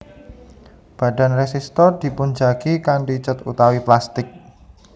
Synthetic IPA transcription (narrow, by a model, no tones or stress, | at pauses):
b̥ä̤ɖa̤nresist̪ɔrd̪̥i̤pund͡ʒaɡ̥ikanɖit͡ʃət̪ut̪awiplast̪ɪk̚